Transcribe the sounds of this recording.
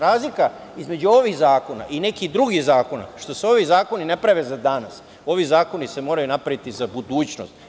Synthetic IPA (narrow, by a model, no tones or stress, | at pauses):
ɾaːzlika | izme̞d͡ʑuo̞ʋixzaːko̞na̰ʔine̞kid̪ɾuɡihzaːko̞na̰ʃt̪o̞seo̞ʋizaːko̞ninepɾaʋe̞zad̪anas | o̞ʋizaːko̞nise̞mo̞ːɾajunapɾaʋit̪izabud̪uːt͡ɕno̞̰st̪